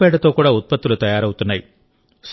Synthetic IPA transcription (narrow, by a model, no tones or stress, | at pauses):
eːɽɐt̪ːoːkːuːɽɐut̪̚pɐt̪ːilut̪ɐjaːɾɐʋut̪ːunːɐj | s